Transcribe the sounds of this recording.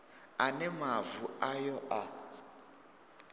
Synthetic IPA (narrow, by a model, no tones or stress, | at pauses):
anɛmavuajɔʔa